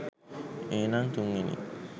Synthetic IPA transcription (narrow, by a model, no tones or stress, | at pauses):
enaŋt̪uŋːinḭ